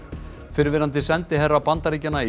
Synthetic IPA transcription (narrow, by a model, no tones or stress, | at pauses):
fɪɾvɪɾant̪ɪsɛnt̪ɪɦɛrːawpant̪aɾiːcanːai